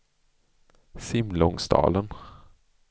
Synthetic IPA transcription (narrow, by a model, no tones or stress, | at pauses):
sɪmlɔŋsd̪ɑ̰ːlən